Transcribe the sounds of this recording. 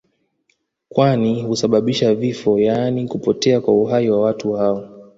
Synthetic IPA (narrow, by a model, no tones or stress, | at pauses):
kwanihusaɓaɓiʃavifɔjaːnikupɔtɛakwauɦaiwawatuhaɔ